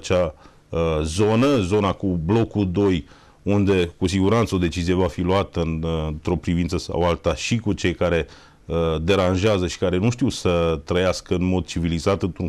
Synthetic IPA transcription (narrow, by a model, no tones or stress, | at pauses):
t͡ʃa | əzo̞nəzo̞nakublo̞kud̪o̞j | und̪e̞kusiɡuɾant̪səo̞d̪e̞t͡ʃizije̞vafiluat̪əɨnt̪ɾo̞pɾivint̪səsa̰walt̪aʃikut͡ʃe̞jkaɾe̞ | əd̪e̞ɾanʒeazəʃi̥kaɾe̞nuʃt̪iwsət̪ɾəjaskəɨnmo̞d̪̚t͡ʃivilizat̪ɨnt̪u